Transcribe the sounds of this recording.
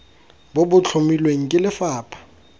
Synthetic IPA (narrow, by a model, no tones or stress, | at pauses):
bobʊt͡ɬʰʊmilweŋ̩kʼɪlɪfaːpʰḁ